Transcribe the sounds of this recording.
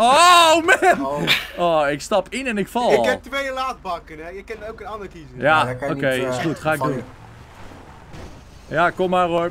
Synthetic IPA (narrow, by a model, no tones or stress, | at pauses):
omɛnoɪkstɑpɪnɛnɪkfɑlˠɪlɛp̚tʋejəlaːt̚bɑkənɛjəkɛntowkənɑndəɹkizəjaokejɪsχutχaːɪɡ̚dun | jakomːaro